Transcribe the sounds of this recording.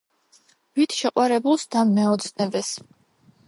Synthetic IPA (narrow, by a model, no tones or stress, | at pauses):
v̥it̪ʰʃɛqʼwaɾɛbulˠsd̪ammːɛɔt̪sʼnɛbɛs